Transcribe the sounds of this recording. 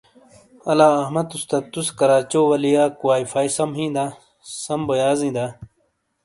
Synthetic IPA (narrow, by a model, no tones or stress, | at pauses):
ɐlaːɐhmɐt̪ust̪ɐt̪uskɐɾaːt͡ɕoːwɐlijaːkuwaːifaːisɐmɦĩːd̪aː | sɐmbojaːzĩːd̪aː